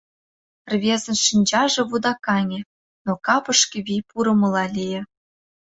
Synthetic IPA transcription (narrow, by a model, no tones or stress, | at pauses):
rvʲezɘ̆nʃinʲd͡ʑɑʐɤ̆βud̪ɑkɑnʲĕ | nokɑpɤ̆ʂkʲɘ̆βʲipuɾɤ̆mɤ̆lˠɑlʲijĕ